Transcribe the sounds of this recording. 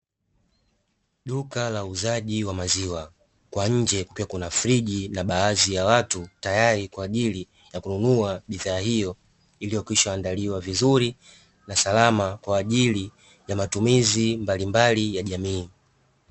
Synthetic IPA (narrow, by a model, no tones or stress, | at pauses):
ɗukalauzaʄiwamaziwa | kwaɲ̩d͡ʒɛkukiwakunafɾiʄinaɓaazijawatutajaɾikwaːʄili | jakununuaɓiðaːhijɔ | ilijɔkiʃɔandaliwavizuɾi | nasalamakwaːʄili | jamatumizimbalimbalijaʄamiː